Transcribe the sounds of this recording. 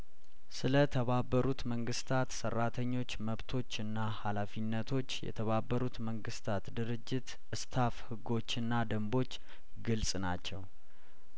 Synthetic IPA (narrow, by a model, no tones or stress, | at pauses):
sɨlət̪ʰəβabːəɾut̪məŋɡɨst̪ʰat̪sərːat̪ʰəɲːo̞t͡ʃːməβt̪ʰo̞t͡ʃːɨnːahalafinːət̪ʰo̞t͡ʃːjɛ̰t̪ʰəβabːəɾut̪məŋɡɨst̪ʰat̪d̪ɨɾɨd͡ʒːɪt̪ | ʔɨst̪ʰafhɨɡo̞t͡ʃːɨnːad̪əmbo̞t͡ʃː | ɡɨlsʼnat͡ʃːɛw